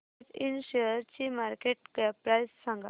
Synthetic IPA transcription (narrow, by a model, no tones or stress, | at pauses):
t̪inɕeəɾt͡ɕimaɾkeʈɡɛpɾajssãŋɡa